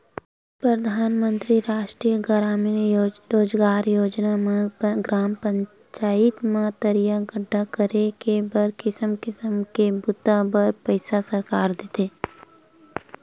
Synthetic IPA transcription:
pɾəd̪ʱaːnmə̃nt̪ɾiɾaːʃʈɾiːjəɡəɾaːmenɾoːd͡ʒɡaːɾjoːd͡ʒnamãɡɾaːmpə̃ɲ | t͡ʃaːɪt̪mãt̪əɾijaɡəɖʱːakəɾekebəɾkɪsəmkɪsəmkebʊt̪abəɾpəɪsasɐɾkaːɾd̪ɪt̪eː

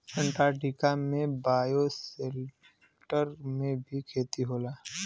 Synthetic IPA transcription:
pʰə̃ɳʈaːʈikamẽbaːjoselp | ʈəɾmẽbʱikʰeːt̪iɦoːlaː

